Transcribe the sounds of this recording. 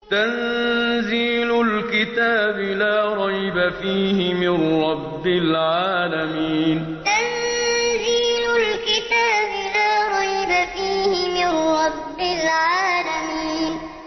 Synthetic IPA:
t̪anziːlʊlkɪt̪aːbɪlaːɾˤɑjbafiːhɪmɪnɾɑbːɪlʕaːlamiːn | t̪anziːlʊlkɪt̪aːbɪlaːɾˤɑjbafiːhɪmɪnɾɑbːɪlʕaːlamiːn

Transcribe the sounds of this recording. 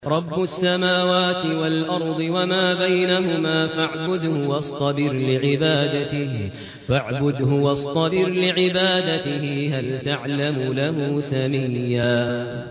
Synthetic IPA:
ɾˤɑbːʊsːamaːwaːt̪ɪwalʔɑɾˤd̪ˤɨwamaːbajnaɦʊmaːfaʕbʊd̪hʊwɑsˤt̪ˤɑbɪɾlɪʕɪbaːd̪at̪ɪh | faʕbʊd̪ɦʊwɑsˤt̪ˤɑbɪɾlɪʕɪbaːd̪at̪ɪhɪɦalt̪aʕlamʊlaɦuːsamijːaː

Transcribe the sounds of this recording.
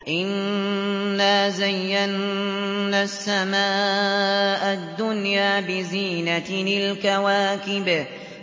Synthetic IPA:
ʔɪnː | aːzajːanː | asːamaː | ʔad̪ːʊnjaːbɪziːnanɪlkawaːkɪb

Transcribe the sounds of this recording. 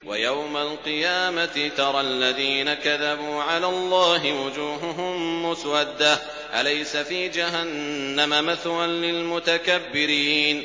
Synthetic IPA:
wa̰jawmalqɨjaːmat̪ɪt̪ɑɾˤɑlːaðiːnakaðabuːʕalaːlˤːɑːɦɪwʊd͡ʒuːɦʊɦʊmːʊswad̪ːah | ʔalajsafiːd͡ʒaɦanːamamaθlanlɪlmʊt̪akabːɪɾiːn

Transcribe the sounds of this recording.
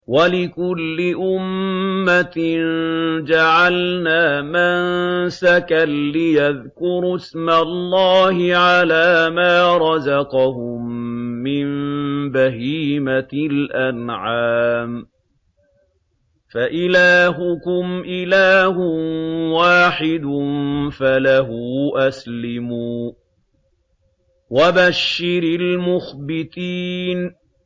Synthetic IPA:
walɪkʊlːɪʔʊmːat̪nd͡ʒaʕalnaːmansakanːɪjaðkʊɾsmalˤːɑːhɪʕalaːmaːɾˤɑzɑqɑhʊmːɪmbaɦiːmalʔanʕaːm | faʔɪlaːɦʊkʊmʔɪlaːhʊwaːħɪd̪nfalaɦuʔaslɪmuː | wabaʃːɪɾɪlmʊxbɪt̪iːn

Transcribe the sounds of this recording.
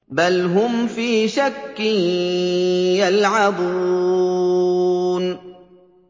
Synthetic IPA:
balɦʊmfiːʃakːɪn | jalʕabuː | n

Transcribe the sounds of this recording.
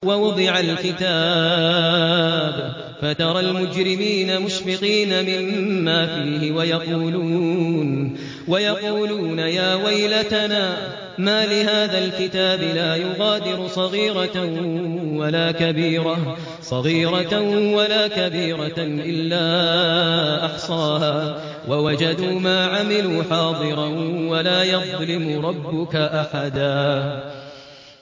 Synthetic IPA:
wɑwʊd̪ˤɪʕalkɪt̪aː | b | fat̪ɑɾˤɑlmʊd͡ʒɾɪmiːnamʊʃfɪqiːnamɪmːaːfiːhɪwajɑquːluːn | wajɑquːluːnajaːwajlat̪anaː | maːlɪɦaːðalkɪt̪aːbɪlaːjʊɣaːd̪ɪɾʊsˤɑɣiːɾa | walaːkabiːɾa | sˤɑɣiːɾawalaːkabiːɾaʔɪlːaː | ʔɑħsˤɑːɦaː | wawad͡ʒad̪uːmaːʕamɪluːħɑːd̪ˤɨɾˤɑnwalaːjɑðˤlɪmʊɾˤɑbːʊkaʔaħad̪aː

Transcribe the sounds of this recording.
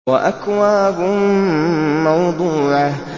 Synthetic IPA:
waʔakwaːbʊ | mɑwd̪ˤuːʕa

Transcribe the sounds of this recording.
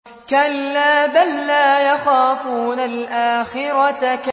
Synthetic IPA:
kalːaːbalːaːjɑxaːfuːnalʔaːxɪɾˤɑt̪ak

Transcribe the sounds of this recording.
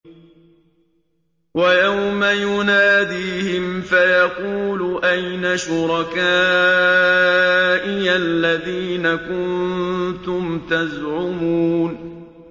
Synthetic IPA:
wajawmajʊnaːd̪iːhɪmfajɑquːlʊʔajnaʃʊɾˤɑkaː | ʔɪjalːaðiːnakʊnt̪ʊmt̪azʕʊmuːn

